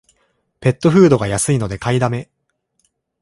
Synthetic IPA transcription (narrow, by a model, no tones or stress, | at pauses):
pe̞t̪ːo̞ɸɯ̟ːd̪o̞ɡajasɨino̞d̪e̞kaid̪ame̞